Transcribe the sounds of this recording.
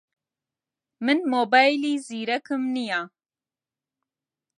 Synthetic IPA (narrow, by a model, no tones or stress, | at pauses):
mɨnmoːbaːjliːziːɾɛkɨmnijaː